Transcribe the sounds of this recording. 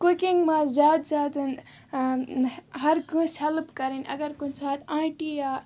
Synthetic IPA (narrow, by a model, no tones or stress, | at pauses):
kukiŋɡmãzaːd̪zaːd̪ɨn | ɦɐɾkũselbkɐɾinɐ̰ɡɐɾkunsʰaːt̪ãːʈija